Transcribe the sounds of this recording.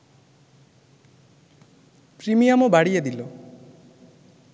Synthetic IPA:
pɾimijamɔbaɽied̪ilo

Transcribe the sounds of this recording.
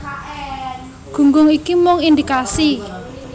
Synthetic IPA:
ɡ̥ṳŋɡʊŋikimʊŋind̪ikasi

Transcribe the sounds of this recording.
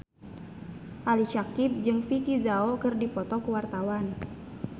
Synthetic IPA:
ʔaliʃakip̚d͡ʒɨŋfikizaokɨrdipɔt̪ɔkəwart̪awan

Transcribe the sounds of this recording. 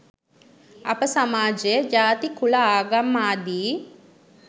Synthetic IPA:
ɐpəsɐmaːd͡ʒed͡ʒaːt̪ikʰulaaːɡamːaːd̪iː

